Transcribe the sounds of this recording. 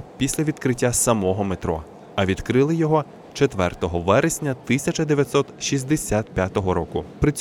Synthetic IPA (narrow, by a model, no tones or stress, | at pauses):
pʲisʲlʲɐʋʲid̪kɾɪtʲːasɐmɔɦɔmet̪ɾɔ̰ | ɐʋʲid̪kɾɪlˠɪjɔɦɔ | t͡ʃet̪ʋɛrt̪ɔɦɔʋɛɾesʲnʲɐt̪ɪsʲɐt͡ʃɐd̪eʋʲjɐt̪sɔt̪ʃizʲd̪esʲat̪pʲjat̪ɔɦɔɾɔkʊpɾɪt͡sʲ